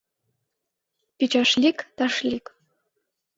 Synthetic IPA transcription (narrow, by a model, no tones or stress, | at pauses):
pʲit͡ɕɑʃlʲikt̪ɑʃlʲik